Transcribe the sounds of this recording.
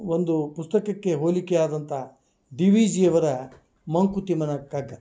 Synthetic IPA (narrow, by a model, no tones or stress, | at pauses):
ond̪upust̪ɐkɐkːe̞ɦoːlikeaːd̪ɐnt̪ʰɐ | d̪iʋiːd͡ʒiɐʋɐɾɐ | mɐŋkut̪imɐnɐkɐɡːɐ